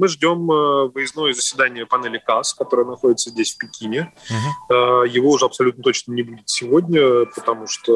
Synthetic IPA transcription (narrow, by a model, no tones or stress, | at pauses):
mɨʐdʲo̞mvɨjɪzno̞jəzəsʲvʲɪd̪anʲɪjəpɐnɛlʲɪkaskɐt̪o̞ɾəjənɐxo̞dʲɪt̪səzʲdʲesʲfʲpʲɪkʲinʲɪ | əjɪvo̞ʊʐɛɐpsɐlʲut̪nət̪o̞t͡ɕnənʲɪbudʲɪt̪sʲɪvo̞dʲnʲəpət̪ɐmuʂt̪o